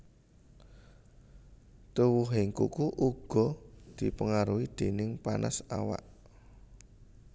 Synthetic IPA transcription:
t̪uwuɦɪŋkṵkuʔuɡ̥ɔ̤d̪̥i̤pəŋaɾuid̪̥e̤nɪŋpanʔa̰sa̰wa̰ʔ

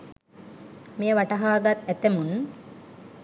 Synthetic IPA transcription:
meəʋaʈɐɦaːɡat̪æt̪emun

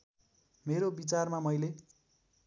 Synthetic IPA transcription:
meɾobit͡sarmamʌjle

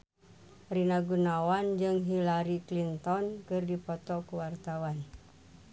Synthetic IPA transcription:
rinaɡunawand͡ʒɨŋɦilaɾiklint̪ɔnkɨrdipɔt̪ɔkuwart̪awan

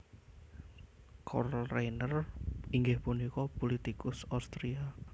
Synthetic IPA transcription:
kʰɔrlrajnəriŋɡɪhpunikɔpulit̪ikʊsawst̪ɾia

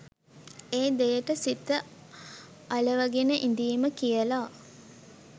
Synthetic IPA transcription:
eːd̪ejəʈəsit̪ːə | aləʋaɡenəʔind̪iːməkijəla

